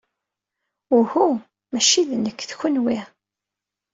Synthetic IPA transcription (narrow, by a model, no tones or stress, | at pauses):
ʊhu | mæʃiðnəkːθçʊnwi